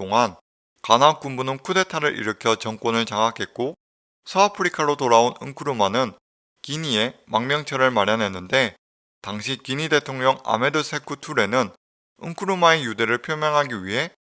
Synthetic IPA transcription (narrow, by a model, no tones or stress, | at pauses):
toŋan | kanɦank͈umbunɯnkʰude̞tʰaɾɯɾʔḭɾɯkʰjʌt͡ɕʌŋk͈wonɯɭt͡ɕaŋakʰe̞t̚k͈o | sʰoapʰɯɾikʰaɾotoɾaonɯ̰ŋkʰɯɾumanɯn | kiɲie̞maŋmjʌŋt͡ɕʰʌɾɯɭmaɾjanɦe̞nːɯnde̞ | taŋɕʰikiɲide̞tʰoŋɲʌŋa̰me̞dɯsʰe̞kʰutʰuɾe̞nɯn | ɯ̰ŋkʰɯɾumae̞jude̞ɾɯɭpʰjomjʌŋɦaɡiɥiɦe̞